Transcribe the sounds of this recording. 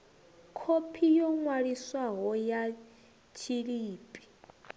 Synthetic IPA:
kʰopʰijɔŋwaɺiswaɦɔja | t͡ʃʰiɺiːpʼi̥

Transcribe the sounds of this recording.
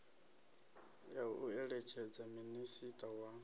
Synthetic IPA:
jauɛɺɛt͡ʃʰɛd͡zaminisitʼawa

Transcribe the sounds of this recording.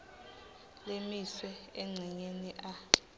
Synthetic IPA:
lemiswɛɛŋ͡ǀʱiɲeniʔa

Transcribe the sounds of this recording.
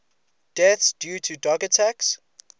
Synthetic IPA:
d̥ɛθsdjuːtʰudɔɡətʰæks

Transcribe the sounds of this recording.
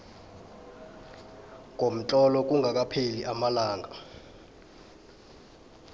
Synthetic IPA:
ŋʱom̩t͡ɬʼɔlɔk̬ʼuŋɡʱak̬apʰeliʔamalaːŋʱa

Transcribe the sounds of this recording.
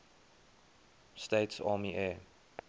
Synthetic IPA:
steɪtsɑ̰ːmiʔɛː

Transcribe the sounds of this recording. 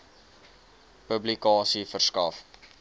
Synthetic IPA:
pəblikɑːsifərskɐf

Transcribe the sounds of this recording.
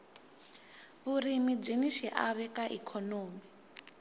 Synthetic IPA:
βuɾimib͡ʐiniʃiʔaβɛkaʔḭkʰɔnoːmi

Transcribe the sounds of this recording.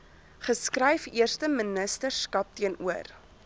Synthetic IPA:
χəskrɛjfiərstəmənəstərskɐp̚tiənuər

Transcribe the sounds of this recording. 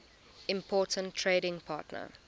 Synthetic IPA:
ɪ̃mpʰɔːtʰə̃ntʰːɹeːɾɪ̃ŋpʰɑːˑtnə̰

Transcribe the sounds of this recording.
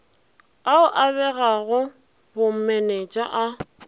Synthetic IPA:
aʊʔaβɛɣaɣʊ | bʊm̩menet͡ʃʼaʔa

